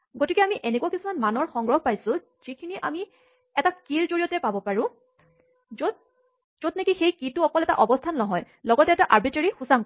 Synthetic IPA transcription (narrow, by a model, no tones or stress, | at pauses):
ɡotikɛamiʔenekuwakisumanmanɔɹxɔŋɡɹɔɦɔpajsʊ̃ | z̥ikʰiniʔami | ɛtakiɹzoɹiɔtɛpabɔpaɹʊ̃ | zo | z̥od̚nekixejkitʊɔkɔlɛta̰ʔɔbɔstʰanːɔɦɔj | lɔɡɔtɛːtaʔaɹbiteɹixusaŋ